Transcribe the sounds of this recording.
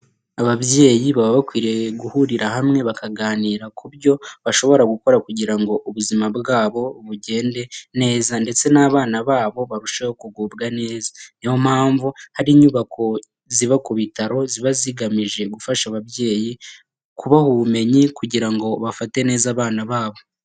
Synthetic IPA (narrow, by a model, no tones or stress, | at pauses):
aβaβje̞ːjiβaβaβakwiːɾe̞ɡuhuɾiɾahamŋe̞βakaɡaːniːɾakubjo̞βaʃo̞βo̞ɾaɡuko̞ɾakuɟiɾaŋɡo̞ʔuβuzimabɡaːβo̞βuɟe̞ːnde̞ne̞ːzande̞t͡se̞naːβaːnaβaːβo̞βaɾuʃajokuɡuːbɡane̞ːzanijo̞m̥haːɱvuhaɾiːɲuβakʰo̞ | ziβakuβitaɾo̞ziβaziɡamiʒe̞ɡufaʃaβaβje̞ːji | kʰuβahuβume̞ɲikuɟiɾaŋɡo̞βafate̞ne̞ːzaːβaːnaβaːβo̞